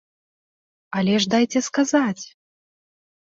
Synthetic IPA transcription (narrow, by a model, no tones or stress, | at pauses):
alʲɛʐd̪ajt͡sʲɛskazat͡sʲ